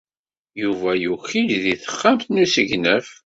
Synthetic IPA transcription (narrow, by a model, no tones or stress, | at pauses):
juvæjuçilðiθə̥χːəmθnusəʝnəf